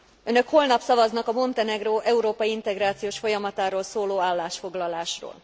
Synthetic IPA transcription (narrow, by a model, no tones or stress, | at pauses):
ønø̞kho̞lnɒpsɒvɒznɒkɒmo̞nt̪ɛnɛɡroːʔɛuɾoːpɒjiint̪ɛɡraːt̪sijoːʃfo̞jɒmɒt̪aːɾoːlsoːloːaːlːaːʃfo̞ɡlɒlaːʃro̰ːl